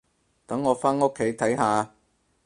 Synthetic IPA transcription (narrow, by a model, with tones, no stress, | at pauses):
t̪ɐ˨˥ŋːɔː˨˧faː˥no˥kʰːe˨˥jt̪ʰɐ˨˥jɦaː˨˧